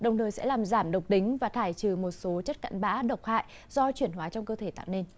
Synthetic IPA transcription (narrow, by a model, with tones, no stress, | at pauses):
ɗə˨˩wŋ͡mt̪ʰəː˨˩jsɛ̰˧˥laː˨˩mzaː˧˩mɗə˨˩wk͡p̚ɗï˨˦ŋ̟vaː˨˩t̪ʰaː˧˩jt͡ɕɨ˨˩mo˨˩t̚so˨˦t͡ɕə˦˥t̚ka̰˧˨nɓa̰ː˧˥ɗə˨˩wk͡p̚ha̰ː˧˨jʔ | zɔ˧t͡ɕwi˧˩ənhwaː˨˦t͡ɕɔ˧wŋ͡mkəː˧t̪ʰe˧˩t̪a̰ː˧˨wne˧n